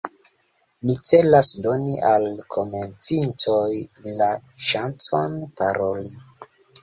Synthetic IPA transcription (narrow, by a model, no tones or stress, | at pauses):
nit͡se̞lasdo̞niʔalkʰo̞me̞nt͡sinto̞jla | ʃant͡sanpaɾo̞li